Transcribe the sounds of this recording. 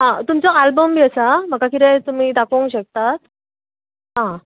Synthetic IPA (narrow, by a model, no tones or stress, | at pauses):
ɦãt̪umt͡sɔalbəmbiəsam̤əkakit̪ɛt̪um̤iːd̪akʰoŋkɕək̚t̪at̪̚ | ɦã